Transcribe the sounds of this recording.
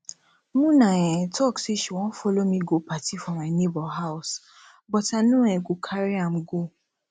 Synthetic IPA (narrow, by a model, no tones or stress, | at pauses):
mũnãjɛ̃tʰɔksiʃuw̃ɔ̃folomĩɡopatifɔmanebɔɦaʊs | bɔtanũɛɡokʰaɾiamɡo